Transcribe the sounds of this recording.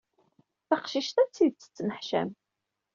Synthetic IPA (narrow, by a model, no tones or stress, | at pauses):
θæqʃiʃt̪æt͡sːid̪̚t͡sːə̥t͡sːnəħʃæ̰m